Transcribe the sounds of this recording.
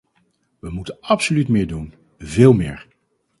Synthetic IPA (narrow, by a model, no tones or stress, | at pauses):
ʋəmutənɑpsolytmɪːɹdun | vɪːlˠmɪ̰ːɹ